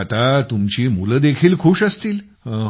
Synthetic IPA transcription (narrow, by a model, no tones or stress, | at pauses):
at̪at̪umt͡ɕiːmuləd̪ekʰiːlkʰuːɕəst̪iːl